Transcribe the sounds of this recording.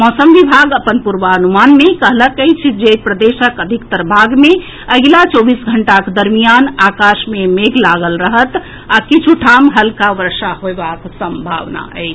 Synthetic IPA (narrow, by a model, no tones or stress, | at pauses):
mɔsəmʋibʱaɡəpənpuɾʋəənumanmekəɦləkəjt͡ʃʰd͡ʒepɾəd̪esəkəd̪ʱikt̪əɾbʱaɡme | əɡlat͡ʃobisɡʱəɳʈakd̪əɾmijanakaʃmemeɡlaɡəlɾəɦət̪ | akit͡ʃʰuʈʰamɦəlkaʋəɾsaɦoebaksəmbʱa̰ʋna̰ə̰ɪt͡ʃʰ